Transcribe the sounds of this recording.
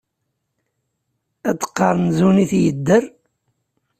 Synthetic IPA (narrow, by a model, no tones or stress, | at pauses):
æd̪ə̥qːɑɾˤnzuniθjəd̪ːəɾ